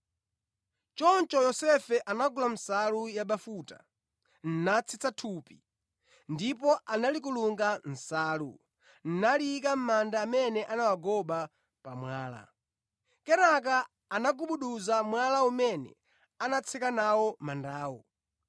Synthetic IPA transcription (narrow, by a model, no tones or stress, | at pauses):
t͡ʃɔnt͡ʃɔjɔsɛfɛʔanaɡulam̩salujaɓafuta̰ | n̩nat͡sʰit͡satʰupi | ndipɔʔanalik̬uluŋɡan̩saːlṵ | n̩nalikam̩mandaːmɛnɛʔanawaɡɔɓa | pamwaːla̰ | kɛnak̬aː | naɡuɓuɗuzamwalaumɛnɛ̰ | anat͡sʰɛkanawɔmandaːwɔ̰